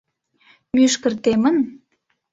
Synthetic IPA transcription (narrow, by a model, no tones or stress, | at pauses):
myʃkə̆rt̪emən